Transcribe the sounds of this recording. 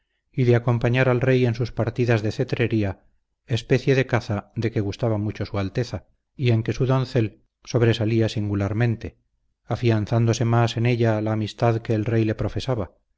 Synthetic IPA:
iðeako̞mpaɲaɾalre̞je̞nsuspaɾt̪iðazðe̞θe̞t̪ɾe̞ɾia | e̞spe̞θje̞ðe̞kaθaðe̞ke̞ɣust̪aβamut͡ʃo̞sualt̪e̞θa | ie̞ŋke̞suðõ̞nθe̞l | so̞βɾe̞saliasiŋɡulaɾmẽ̞nt̪e̞ | afianθand̪o̞se̞mase̞ne̞ʎalaːmist̪aðke̞ːlrejle̞pɾo̞fe̞saβa

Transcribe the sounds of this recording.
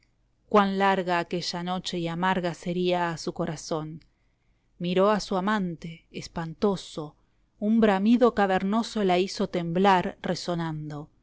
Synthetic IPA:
kwanlaɾɣaːke̞ʒano̞t͡ʃe̞iamaɾɣase̞ɾiaːsuko̞ɾaso̞n | miɾo̞asuamãnt̪e̞ːspant̪o̞so̞ | umbɾamiðokaβeɾno̞solaiso̞t̪emblaɾreso̞nand̪o̞

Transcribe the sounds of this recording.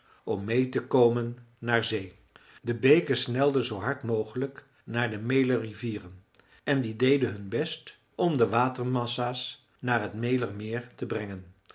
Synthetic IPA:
ɔmːejtəkowmənː | aːɹzej | dəbejkəsnɛlˠdəzowɦɑɹtmowχələk | naːɹdəmejləriviːrən | ɛndidejdəɦɵnbɛst | ɔmdəʋaːtərmɑsaːs | naːɹɦətmejlərmɪːɹtəbrɛŋən

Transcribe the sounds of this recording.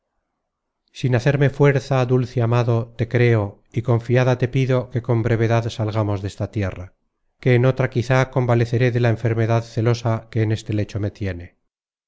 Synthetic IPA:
sinaθe̞ɾme̞fwe̞ɾθaðulθeamaðo̞t̪e̞kɾe̞o | iko̞ɱfiaðat̪e̞piðo̞ke̞ko̞mbɾe̞β̞e̞ðaðsalɣamo̞zðest̪at̪je̞ra | ke̞ːno̞t̪ɾakiθako̞mbale̞θe̞ɾe̞ðe̞laeɱfe̞ɾme̞ðaðθe̞lo̞sake̞ːne̞st̪e̞le̞t͡ʃo̞me̞t̪je̞ne̞

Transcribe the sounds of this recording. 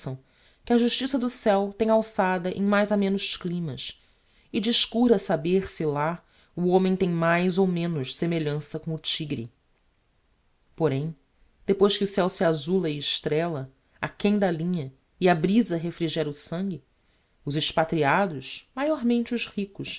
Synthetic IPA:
sɐ̃w̃ | kɪɐʒuʃt͡ʃisɐd̪ʊsɛwt̪ẽj̃awsad̪ɐʔẽj̃majzamẽnʊʃklĩmɐs | ɪd͡ʒiʃkuɾɐsabeɾsɪla | uõmẽj̃t̪ẽj̃majzowmẽnʊʃsemeʎɐ̃sɐkõʊt͡ʃiɡɾḭ | poɾẽj̃ | d̪̥epojʃkɪusɛwsɪazulɐɪɪʃt̪ɾɛlɐ | akẽd̪ɐlĩɲɐ | ɪabɾizɐɦefɾiʒɛɾɐʊsɐ̃ŋɡʲɪ | ʊzɪʃpat̪ɾiad̪ʊʃmajɔɾmẽnt͡ʃɪʊzhikʊʃ

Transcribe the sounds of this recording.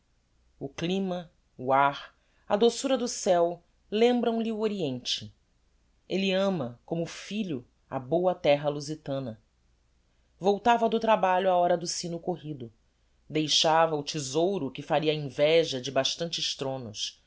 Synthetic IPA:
ʊklĩmɐ | uaɾ | ɐd̪osuɾɐd̪ʊsɛw | lẽmbɾɐ̃w̃lɪuoɾiẽnt͡ʃɪ | elɪɐ̃mɐkõmʊfiʎʊ | ɐ̰bowɐt̪ɛɦɐluzit̪ɐ̃nɐ | vowt̪avɐd̪ʊt̪ɾabaʎʊaɔɾɐd̪ʊsĩnʊkoɦid̪ʊ | d̪ejʃavɐʊt͡ʃizowɾʊkɪfaɾiɐĩvɛʒɐd͡ʒɪbaʃt̪ɐ̃nt͡ʃɪʃt̪ɾõnʊʃ

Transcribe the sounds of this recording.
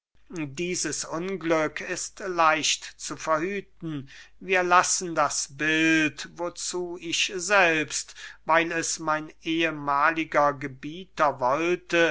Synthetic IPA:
diːzəsʊnɡlʏkʰɪstlaɪʃtt͡sufɛɐhyːtn̩viːɐlasn̩dasbɪltvot͡suːɪʃzɛlpstvaɪlɛsmaɪnʔeːəmaːlɪɡɐɡəbiːtɐvɔltə

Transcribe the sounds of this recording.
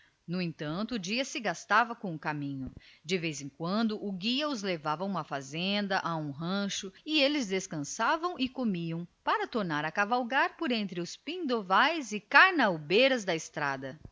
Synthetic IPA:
nʊẽt̪ɐ̃nt̪ʊːd͡ʒiɐsɪɡast̪avɐkõʊkamĩɲʊd͡ʒɪvejzẽŋkwɐ̃nd̪ʊʔʊɡiɐʊzlevavɐũmɐfazẽnd̪ɐʔaũɦɐ̃ʃʊɪelɪzd̪eskɐ̃savɐ̃w̃ʔɪkomiɐ̃w̃paɾɐt̪oɾnaɾɐkavawɡaɾpoɾẽnt̪ɾɪʊspĩnd̪ovajzɪkaɾnɐwbejɾɐzd̪ɐɪst̪ɾa̰d̪ɐ

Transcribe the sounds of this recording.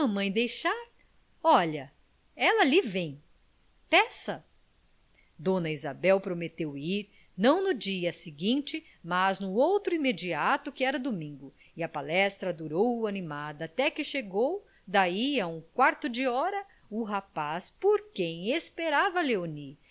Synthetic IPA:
ɐmɐ̃j̃d̪ejʃaɾ | ɔʎɐ | ɛlɐlivẽj̃ | pɛsɐ | d̪õnɐiza̰bɛwpɾomet̪ewiɾ | nɐ̃w̃nʊd͡ʒiɐsɪɡĩnt͡ʃɪ | maznʊowt̪ɾʊimed͡ʒiat̪ʊkɪɛɾɐd̪omĩŋɡʊ | ɪɐpalɛst̪ɾɐd̪uɾowɐnimad̪ɐːt̪ɛkɪʃeɡow | d̪aiaũkwaɾt̪ʊd͡ʒɪɔɾɐ | ʊɦapaspoɾkẽj̃espeɾavɐleoni

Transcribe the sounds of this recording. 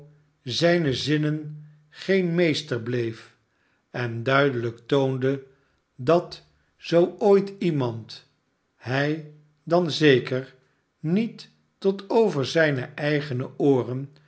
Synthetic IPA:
zɛjnəzɪnən | χejnmejstəɹblejf | ɛndœɥdələktowndə | dɑt | z̥owojtimɑnt | ɦɛj | dɑnzejkəɹ | nitː | ɔtʰowvəɹzɛjnəʔɛjχənəʔʊːrən

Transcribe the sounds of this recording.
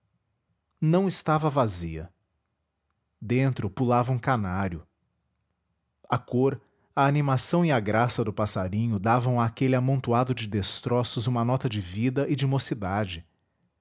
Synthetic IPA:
nɐ̃w̃ɪst̪avɐvaziɐ̰ | d̪ẽnt̪ɾʊpulavɐũkanaɾjʊ | akoɾ | ɐːnimasɐ̃w̃iaɡɾasɐd̪ʊpasaɾĩɲʊd̪avɐ̃w̃aːkelɪamõnt̪uad̪ʊd͡ʒɪd̪est̪ɾɔsʊzũmɐnɔt̪ɐd͡ʒɪvid̪ɐʔɪd͡ʒɪmosid̪ad͡ʒɪ

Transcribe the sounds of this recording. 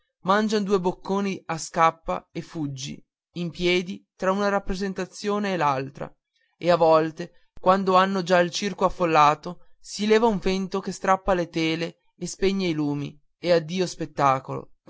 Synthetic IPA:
mand͡ʒanod̪uːebokʰːoːniaskapːa̰efːud͡ʒːḭ | impjɛːd̪it̪ɾaunaɾapːɾezent̪at̪sːjoːneːlalt̪ɾa̰ | eavɔlt̪e | kwand̪oanːod͡ʒailt͡ʃirkoafːolːaːt̪osilɛːvauɱvent̪okest̪ɾapːalet̪eːleː | speɲːailuːmḭ | ead̪ːiːospet̪ːaːkolo̰

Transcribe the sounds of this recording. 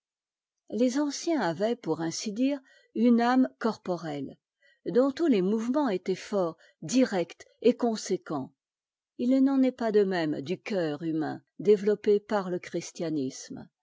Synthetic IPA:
lezɑ̃sjɛ̃avɛpuʁɛ̃sid̪iːʁ | ynamkɔʁpɔʁɛl | d̪ɔ̃t̪ulemuvmɑ̃et̪ɛfɔʁ | d̪iʁɛkt̪ | ekɔ̃sekɑ̃ | ilnɑ̃nɛpad̪əmɛmd̪ykʲœʁymɛ̰̃ | d̪evlɔpepaʁləkχist̪janism

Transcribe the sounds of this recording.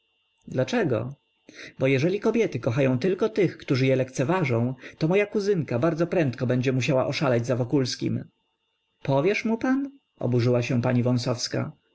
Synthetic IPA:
d̪lat͡ʂɛɡɔ̰ | bɔjɛʐɛlʲikɔbʲjɛt̪ɘkɔxajɔ̃w̃t̪ɘlkɔt̪ɘxkt̪uʐɘjɛlɛkt̪sɛvaʐɔ̃w̃t̪ɔmɔjakuzɘnkabaɾd̪zɔpɾɛnt̪kɔbɛɲd͡ʑɛmuɕ̬awa̰ʔɔʂalɛd͡ʑzavɔkulskʲḭm | pɔvʲjɛʂmupan | ɔ̰buʐɘwaɕɛ̃paɲivɔ̃sɔfska̰

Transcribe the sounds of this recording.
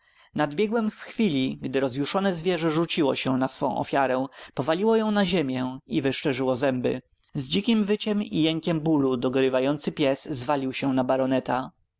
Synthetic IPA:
nad̪bʲjɛɡwɛmfxfʲilʲiɡd̪ɘɾɔzjuʂɔnɛzvʲjɛʐɛʐut͡ɕiwɔɕɛnasfɔ̰̃w̃ʔɔ̰fʲjaɾɛpɔvalʲiwɔjɔ̃w̃naʑemʲjɛivɘʂt͡ʂɛʐɘwɔzɛmbɘ̰ | zd͡ʑikʲimvɘt͡ɕɛmḭjɛŋkʲɛmbulud̪ɔɡɾɘvajɔnt̪sɘpʲjɛszvalʲiwɕɛnabaɾɔnɛt̪a

